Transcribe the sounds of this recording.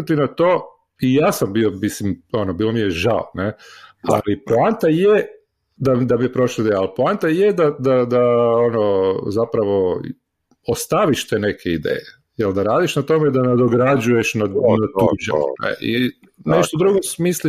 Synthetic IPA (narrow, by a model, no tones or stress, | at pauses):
t̪inat̪oː | ijaːsambiomislimo̞nobiːlˠomijeʒaonea̰lipolant̪aje | d̪ad̪amijepɾo̞ʃloid̪ejalˠplant̪ajed̪ad̪ad̪aonozapɾaʋo̞ | ost̪aʋiʃt̪eːne̞kʰeid̪ḛːje | jeld̪aɾaːd̪iʃnat̪o̞med̪aned̪oɡɾad͡ʒuje̞ʃnanat̪ud͡ʒa̰nḛʔḭ | neʃt̪od̪ɾuɡosmisli